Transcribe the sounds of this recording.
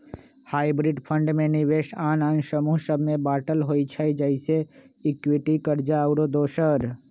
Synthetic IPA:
haːibɾiɖpʰə̃ɳɖmenɪʋeʃaːnansəmuɦsəbʱmebaːʈəlɦojt͡ʃʰəjd͡ʒəɪse | ɪkwiʈikəɾd͡ʒaəʊɾod̪oːʃəɾ

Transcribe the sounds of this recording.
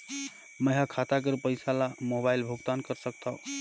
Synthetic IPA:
məɦakʰat̪ak̬əɾpəjsalamobailbʱuɡt̪ankəɾsək̚t̪ʰaʊ

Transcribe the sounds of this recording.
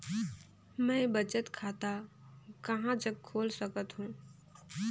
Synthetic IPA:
mɛ̃bət͡ʃət̪kʰaːt̪a | kəɦãd͡ʒəɡ̚kʰoːlsəkət̪ɦũː

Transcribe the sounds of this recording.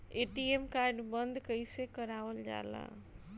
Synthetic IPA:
eʈiemkaɾɖbənd̪ʱkəjsẽkəɾaʋəld͡ʒa̰lã̰

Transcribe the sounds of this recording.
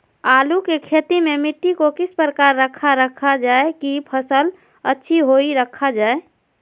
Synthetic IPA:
alukekʰet̪imemiʈːikokispɾəkaɾːəkʰːaɾːəkʰad͡ʒaekipʰəsəl | ətːʃʰiɦoiɾəkʰːad͡ʒae

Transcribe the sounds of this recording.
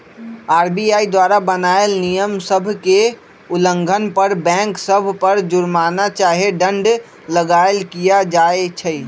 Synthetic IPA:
aːɾbiaid̪waɾabənaelnijəmsəbʱke | ulə̃ŋɡʱənpəɾbɛ̃ŋksəbʱpəɾd͡ʒʊɾmanat͡ʃaɦeɖə̃ɳɖ | ləɡaelkijad͡ʒaet͡ʃʰə

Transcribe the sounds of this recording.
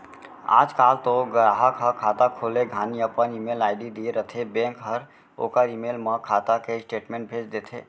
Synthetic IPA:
a̰d͡ʒkalt̪oɡəɾaɦəkɦəkʰat̪akʰoleɡʱaniəpənimelaɪɖid̪ieɾət̪ʰebẽŋkɦəɾ | o̰kəɾimelməkʰat̪akesʈeʈmẽɳʈ̚bʱet͡ʃd̪et̪ʰe

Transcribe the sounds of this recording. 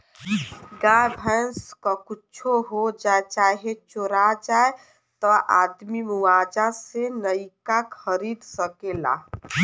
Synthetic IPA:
ɡãbʱənskɔkut͡ʃʰoɦod͡ʒaet͡ʃaɦet͡ʃoɾad͡ʒae | t̪ɔʔad̪mimuwad͡ʒasenəikakʰəɾid̪səkela̰

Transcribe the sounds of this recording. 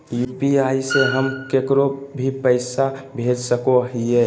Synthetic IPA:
juːpiaːiseɦəmkekɾobʱipəɪsabʱed͡ʒsəkoɦie

